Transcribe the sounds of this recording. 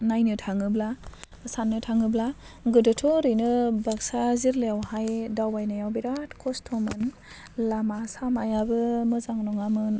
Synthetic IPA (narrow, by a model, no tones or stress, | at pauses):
najnɯtʰaŋɯbla | sanːɯtʰaŋɯblaɡɯdɯtʰɔɾɯjnɯbaksaziɾleawhajdawbajnajawbiɾatkʰɔstʰɔmɯn | lamasamajabɯmɯzaŋnɔŋamɯn